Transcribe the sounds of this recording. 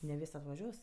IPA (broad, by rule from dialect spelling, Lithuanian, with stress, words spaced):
nʲɛ ˈʋʲɪsʲ ɐtʋɐˈʒʲuɔs